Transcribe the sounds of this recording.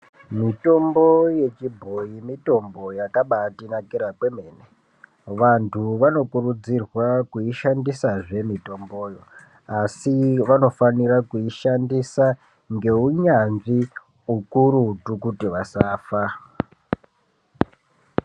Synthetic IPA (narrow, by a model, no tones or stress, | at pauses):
mito̞mbo̞je̞t͡ʃibʱo̞jimito̞mbo̞jakaɓatinakiɾakwemeːne | ʋantʰuʋano̞kurud͡zirwakuiʃandisaʐe̞mito̞mbo̞ːjo̞ | asiʋano̞faniɾakuiʃandisa | ŋɡe̞uɲanʐi | ukuɾutukutiʋasaːfa